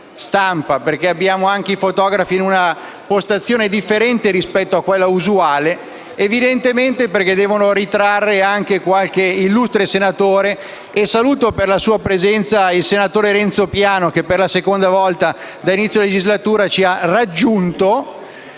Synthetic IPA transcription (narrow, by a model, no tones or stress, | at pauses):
st̪ampaperkeabːjaːmoaŋkeifot̪ɔːɡɾafiːnuna | post̪at̪sːjoːned̪ifːeɾɛnt̪eɾispɛt̪ːoakːwelːauzuaːleː | vid̪ent̪ement̪eperked̪ɛːvonoɾit̪ɾarːeaŋkekwalk̟eilːust̪ɾesenat̪oːɾeː | saluːt̪operlasuːapɾezɛnt̪sailsenat̪oːɾeɾɛnt̪sopjaːnok̟epːerlasekond̪avɔlt̪a | d̪ainit̪sjoiled͡ʒizlat̪uːɾat͡ʃiarad͡ʒːunt̪o